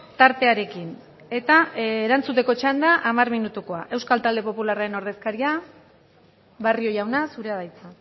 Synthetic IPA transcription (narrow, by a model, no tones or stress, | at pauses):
t̪aɾt̪e̞aɾe̞kin | e̞t̪aeɾant͡sut̪e̞ko̞t͡ʃand̪aʔamarminut̪uko̞aʔe̞wskalt̪ald̪e̞po̞pularaɾe̞no̞ɾð̞e̞skaɾia | βario̞jawnasuɾe̞að̞ajt͡sa